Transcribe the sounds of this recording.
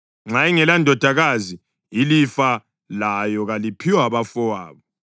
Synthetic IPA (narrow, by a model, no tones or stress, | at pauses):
ŋ͡ǁaiŋɛlandʱɔd̥ʱaɣazi | ilifa | lajɔɣalipʰiwaβafɔwaːβɔ